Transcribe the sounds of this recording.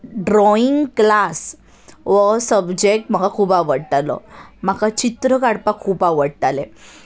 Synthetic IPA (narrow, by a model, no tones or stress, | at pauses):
ɖɾɔiŋɡklas | ʋəsəbd͡ʑek̚ʈm̤əɡakʰuːpaʋəɽʈ̪alɔ̰m̤akat͡ɕit̪ɾəkaɽpakʰuːpaʋəɽʈ̪ale